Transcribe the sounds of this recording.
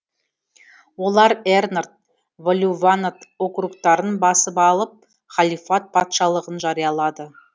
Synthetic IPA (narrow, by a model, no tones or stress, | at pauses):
wo̞lˠɑɾernart̪̚ | volʲuvanat̪o̞krukt̪ɑɾənbɑsəpɑlˠəp̚ | χɑlˠijfat̪̚pʰɑt̪ʃɑlˠəʁənʒɑɾijɑlˠɑd̪ə